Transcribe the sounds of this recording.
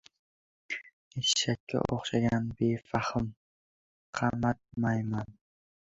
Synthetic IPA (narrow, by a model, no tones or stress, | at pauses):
iʃak̚kʲʰːa̰ʔoχʃaɡʲanbefahɨm | qʰɑmat̪̚majman